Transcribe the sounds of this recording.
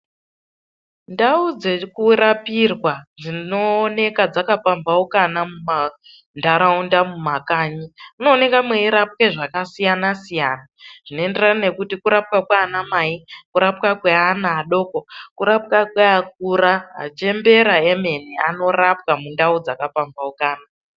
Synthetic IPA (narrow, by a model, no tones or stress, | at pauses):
ndaud͡zekuɾapirwad͡zinoːne̞kad͡zakapambaukanamuma | ndaɾaundamumakaːɲiuno̞ːne̞kamweiɾap̚keʐakasijanasijaːnaʐ̥ino̞e̞nderane̞kutikuɾap̚kakwaːnamaikuɾapkakweanaːɗo̞kokuɾapkakweak̚uɾaɦa̰t͡ʃe̞mbe̞ɾaeme̞niano̞rap̚kamundaud͡zakapambaukaːna